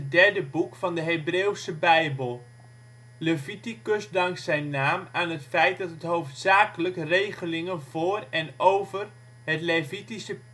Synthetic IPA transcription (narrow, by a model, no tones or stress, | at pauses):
dɛɹdəbukfɑndəɦejbreːwsəbɛjbəlˠ | ləvitikøsdɑŋksɛjnːaːmaːnɦətfɛjt̚dɑtɦətɦhowftsaːkələkrejχəlɪŋənvʊːrɛnowvər | hətlevitisə